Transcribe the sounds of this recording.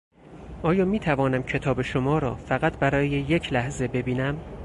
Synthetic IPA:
ʔɒːjɒːmiːt̪ʰævɒːnæmcʰe̞t̪ʰɒːbe̞ʃo̞mɒːɾɒ̰ːfæɣæt̪ʰbæɾɒːjejecʰlæhze̞be̞biːnæm

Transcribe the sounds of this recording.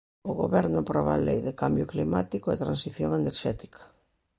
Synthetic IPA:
ʊɣoβɛɾnʊpɾɔβalejðɪkambjʊklimat̪ikʊɛt̪ɾansiθjoŋeneɾʃɛt̪i̥kʰɐ̥

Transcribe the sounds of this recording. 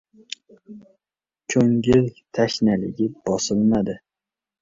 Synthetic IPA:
kʰɵŋɪlt̪ʰaʃnalɪɡʲɪb̥ɒsɪlnad̪ɪ

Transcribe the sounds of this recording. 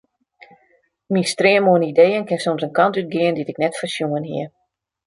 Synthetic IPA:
mistrɪəmoənidejənkɪnsomsənkɑntyt̚ɡɪənditɪknɛtfəsjuŋənɦḭə

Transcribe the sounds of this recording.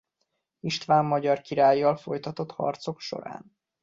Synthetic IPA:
iʃt̪vaːmːɒɟɒrkiɾaːjːɒlfo̞jt̪ɒt̪o̞t̪hɒ̰rt̪so̞kʃo̞̰ɾa̰ːn

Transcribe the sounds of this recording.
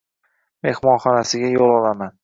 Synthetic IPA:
me̞hmɒnχɒnasɪɡʲajolˠɒlaman

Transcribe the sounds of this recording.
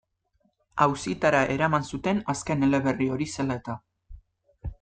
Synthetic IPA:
awsit̪aɾaʔe̞ɾamansut̪e̞naske̞ne̞le̞βe̞rio̞ɾise̞lae̞t̪a

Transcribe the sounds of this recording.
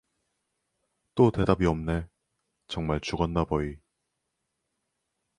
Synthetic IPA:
t͈ote̞dabiʌmne̞ | t͡ɕʌŋmaɭt͡ɕuɡʌnːabʌi

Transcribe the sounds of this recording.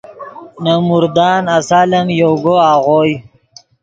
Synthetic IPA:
namuɾd̪ɑːnasaːlɐmjoɡoaːʁoːj

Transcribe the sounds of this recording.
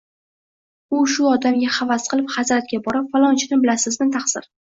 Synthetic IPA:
ʊʃʊɒd̪amɡʲaχavasqʰɨlˠɪphazɾat̪̚ɡʲabɒɾɪpfalˠɒnt͡ʃʰɪnɪbɪlasɪzmɪnt̪ʰaχsɪ̰ɾ

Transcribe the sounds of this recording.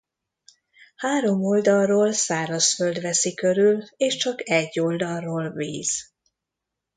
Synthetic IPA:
haːɾo̞mold̪ɒlroːlsaːɾɒsføld̪ʋɛsikøɾyleːʃt͡ʃɒkɛɟːold̪ɒrːoːlvḭːz̥

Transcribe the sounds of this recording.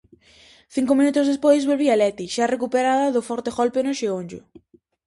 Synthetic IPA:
θiŋkʊmĩnut̪ʊzðespojzβolβialɛt̪iʃarekupeɾaðɐðʊfɔɾt̪eɣolpenʊʃeonʲd͡ʒʊ̰

